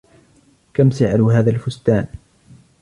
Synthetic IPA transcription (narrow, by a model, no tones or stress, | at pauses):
kamsɪʕaɾuːɦaːðalfʊst̪aːn